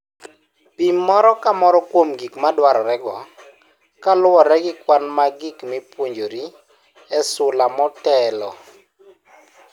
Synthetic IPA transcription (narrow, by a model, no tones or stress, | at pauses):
pimːɔɾɔkamɔɾɔkwomɡikmadwaɾɔɾɛɡɔ | kalwɔɾɛɡɪkwanmaɡɪkmipwoɲd͡ʒoɾi | ɛsʊlamɔtɛlɔ̰